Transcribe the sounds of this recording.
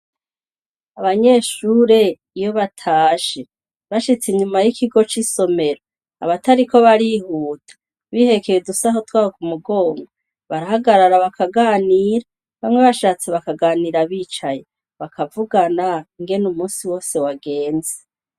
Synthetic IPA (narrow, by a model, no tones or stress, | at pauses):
aβaɲe̞ːʃuːɾe̞ | ijo̞βatʰaːʃe | βaʃit͡seɲumajikʰiɡo̞t͡ʃiso̞me̞ɾo | a̰βataɾiko̞βaɾihuːtʰḁ | βihe̞ke̞jedusaɦo̞twaːwok̚umuɡo̞ːŋɡo | βaɾahaɡaɾaɾaβakʰaɡaːniːɾa | βamŋe̞βaʃaːt͡se̞βakaɡaːniːɾaβiːt͡ʃaje̞ | βakʰavuɡanaiŋɡe̞numuːsiwo̞ːse̞waɡe̞ːnze